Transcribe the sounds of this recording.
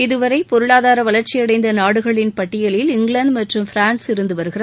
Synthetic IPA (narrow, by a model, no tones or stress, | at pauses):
ɪðɯʋɐɾɐɪpɔɾɯɭaːðaːɾɐʋɐlɐɾt͡ʃːɪjɐɽɐɪnd̪ɐnaːɽɯɣɐɭɪnpɐʈːɪjɐlɪlɪŋɡɭɐɳɖmɐʈrɯmfɪɾaːnsɪɾɯnd̪ɯʋɐɾɯɣɪrɐð